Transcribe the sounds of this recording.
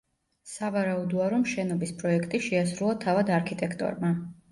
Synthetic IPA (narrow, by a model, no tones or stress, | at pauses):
savaɾaud̪ɔaɾɔmʃɛnɔbispʼɾɔɛkʰt̪ʼiʃɛasɾulˠat̪ʰavad̪aɾkʰit̪ʼɛkʰt̪ʼɔ̰ɾma